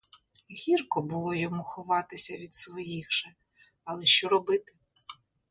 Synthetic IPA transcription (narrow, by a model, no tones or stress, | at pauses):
ɦʲirkɔbʊlˠɔjɔmuxɔʋɑt̪ɪsʲɐʋʲid̪sʋɔjixʒ̥ɛ | ɐlˠɛʃt͡ʃɔɾɔbɪt̪ɪ